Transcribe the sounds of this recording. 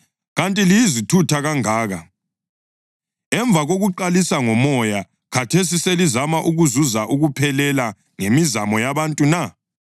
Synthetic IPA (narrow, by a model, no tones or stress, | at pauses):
ɣantʼilijizitʰutʰaɣaŋaːɣa | ɛɱb̪vʱaɣoɣuǃalisaŋɔmɔja | kʰatʰes̬iselizamaʔuɣuzuzaʔuɣupʰɛlɛla | ŋemizamɔjaβantʼuna